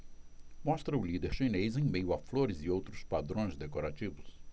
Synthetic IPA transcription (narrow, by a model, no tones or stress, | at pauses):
mɔst̪ɾɐʊlid̪eɾʃinezẽj̃mejʊafloɾɪzɪowt̪ɾʊspad̪ɾõj̃zd̪ekoɾat͡ʃivʊs